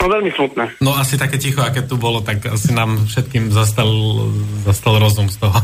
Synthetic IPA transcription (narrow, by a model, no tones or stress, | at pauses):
t̪ɔʋɛlmismut̪̚nɛnɔasit̪akɛːcixɔakɛtt̪ubɔlɔt̪akasinaːmfʃɛt̪kiːmzas̬t̪alzast̪alɾɔzumst̪ɔɦɔ